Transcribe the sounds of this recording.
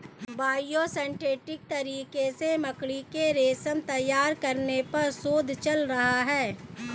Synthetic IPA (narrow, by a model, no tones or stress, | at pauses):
baːjosɛ̃ɳʈeːʈɪk̚t̪ɐɾiːkesemɐkɽikeɾeːsəmt̪ɐjːaːɾkɐɾnepɐɾsoːd̪ʱt͡ʃɐlɾɐɦaɦɛː